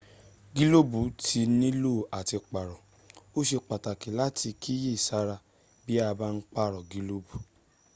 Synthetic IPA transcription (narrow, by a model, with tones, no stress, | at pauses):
ɡi˦lo˦bu˨˦tʰi˧nĩ˦lo˦˨a˨ti˧k͡pa˨ɾɔ̃˨ | o˦ʃe˧k͡pa˨ta˨ki˨˦la˦ti˧kʰi˦je˦˨sa˦ɾa˧ | bi˦a˧ba˦n̩˦k͡pa˦˨ɾɔ˨ɡi˧lo˦bu˨